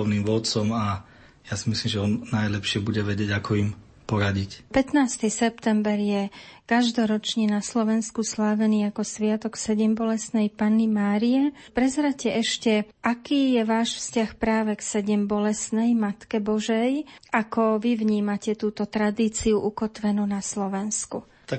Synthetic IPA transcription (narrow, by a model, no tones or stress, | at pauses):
niːmʋɔt͡sɔma | jasimislimʒɛɔnːajlɛpʃɪɛbuɟɛʋɛɟɪɛɟakʰɔim | pɔɾaɟicpɛt̪naːst̪isɛp̚t̪ɛmbɛɾjɛkaʒd̪ɔɾɔt͡ʃɲɛnaslɔʋɛnskuslaːʋɛniːakɔsʋɪat̪ɔksɛɟɛmbɔlɛsnɛjpaːnːimaːɾiɛpɾɛzɾacɛɛʃcɛʔakiːjɛʋaːʃfscaxpɾaːʋɛksɛɟɛmbɔlɛsnɛjmat̪kɛbɔʒɛjʔakɔʋiʋɲiːmacɛt̪uːt̪ɔt̪ɾad̪iːt͡siuʔukɔt̪ʋɛnuːnaslɔʋɛnsku | t̪ak